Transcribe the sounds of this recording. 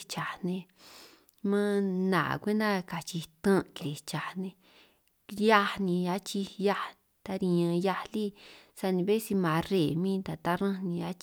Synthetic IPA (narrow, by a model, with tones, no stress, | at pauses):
t͡ʃa˨nẽ˧ | mã˦nã̰˨kʷe˦nd̪ã˦ka˨t͡ʃi˧t̪ã˦˧ki˨˧ɾi˨t͡ʃa˨nẽ˧ | ja˦nĩ˧ja˦t͡ʃi˧ja˦˧ | t̪a˧ɾĩ˧ɲã˧ja˧li˦sa˧nĩ˧βe˦si˧mã˨˧re˨mĩː˦t̪a˨t̪a˦ɾã˦nĩ˧a˧˦t͡ʃ